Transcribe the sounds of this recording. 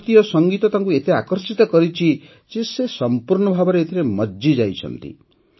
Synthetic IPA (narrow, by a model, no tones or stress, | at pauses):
t̪ijɔsɔŋɡit̪ɔt̪aŋk̬uet̪eakɔɾsit̪ɔkɔɾit͡ʃʰi | d͡ʒesesɔmpuɾɳɔbʱabɔɾeet̪ʰiɾemɔd͡ʒid͡ʒajt͡ʃʰɔ̰nt̪ḭ